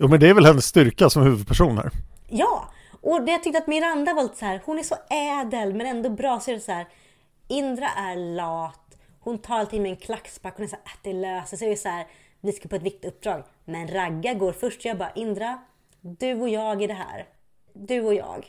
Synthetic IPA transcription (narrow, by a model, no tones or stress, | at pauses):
juːmɛnd̪ɛæːɾvɛlhɛnːəsːt̪ʏɾkasɔmhʉ̟ːvɵd̪̚pʰæʂuːnə̰ɾ | jɑː | ʔɔd̪ɛjat̪ʏkt̪əat̪mɪɾand̪avalɪt̪sæːɾhʊnæʂɔɛːd̪əlmɛnɛnd̪ɔbɾɑːsɛɛsæːɾ | ɪnd̪ɾaʔæɾlɑːt̪ | hʊnt̪ʰɑːɾalt̪ɪŋmɛɛnkʰlakspakːhʊnɛɾsæːad̪ɛløːsəsɛjsæːɾ | nɪskapʰoɔɛt̪vɪk̚t̪ɵp̚ːd̪ɾɑːɡ | mɛnɾaɡːaɡoːɾfœʂʈjɑːbɑːɾa̰ʔɪnd̪ɾa | d̪ɵɔjɑːɡɪɖɛɦæ̰ːɾ | d̪ɵɔjɑ̰ːɡ